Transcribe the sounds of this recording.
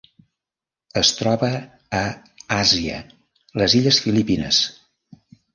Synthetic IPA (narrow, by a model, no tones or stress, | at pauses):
əst̪ɾɔβəː | aziə̰ | ləziʎəsfilipinə̰s